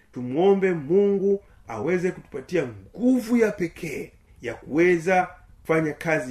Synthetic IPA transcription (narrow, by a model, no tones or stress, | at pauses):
tumwɔmbɛmuŋɡu | awɛzɛkutu̥patiaŋɡuvujapɛkʰɛ | jakuwɛza | kufaɲakazi